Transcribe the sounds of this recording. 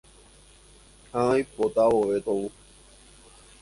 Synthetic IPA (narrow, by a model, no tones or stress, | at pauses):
hãajpot̪awoʋet̪owu